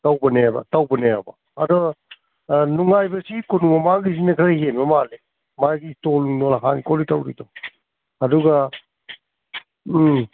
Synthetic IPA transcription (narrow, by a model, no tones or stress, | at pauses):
tawbɐneaba̰tawbɐneaba̰ːdɔ | nuŋajbɐsikɔnumɐmaɡis̬inɐkʰaɾaɦenmɐmale | maɡistɔluŋnɔlaɦanikɔlitawɾḭtɔ | ɐduɡa